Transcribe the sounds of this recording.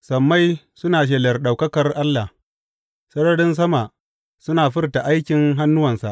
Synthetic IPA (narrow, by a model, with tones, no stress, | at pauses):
sɐ˨mːa˦j | sʊ˦naː˨ʃ̬ɛ˨lɐ˨rɗa˨wkɐ˦kɐ˨rʔa˦lːa˨h | sɐ˦ɽɐ˦ɽɪ˦ns̬ɐ˦ma˨ | sʊ˦naː˨ɸɪ˦rta˨ʔa˦jkʲɪ˨ŋɦa˦nːʊ˦wɐ˨nsa̰˨ʔ